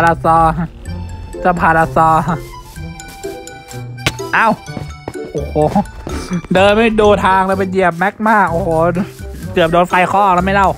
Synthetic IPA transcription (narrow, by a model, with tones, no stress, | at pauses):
a˧ɾa˧sɔː˧ | sa˧˩pʰaː˨˧˩ɾa˧sɔː˧ | ʔaː˧˥˩wʔʔoː˨˩hoː˨˩˦ | dɤː˧nma˥˩jdoː˧t̪ʰaː˧ŋɾaː˧˥˩pe˧nji˨˩əp̚mɛ˦˥k̚maː˥˩k̚ʔoː˨˩hoː˧˩kɯ˨˩p̚doː˧nfa˧jkʰɔː˥˩ɾaː˧˥˩ma˥˩jla˥˩w